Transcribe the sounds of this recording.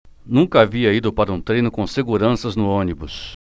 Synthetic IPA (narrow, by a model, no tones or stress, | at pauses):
nũŋkɐaviɐid̪ʊpaɾɐũt̪ɾejnʊkõseɡuɾɐ̃sɐznʊõnibʊs